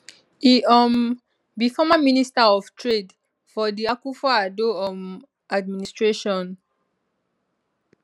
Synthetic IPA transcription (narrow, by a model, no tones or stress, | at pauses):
iɔm | bifɔmaministaɔv̥tʰɹed | fɔdiakufɔadoɔm | ad̚ministɹeʃɔ̃n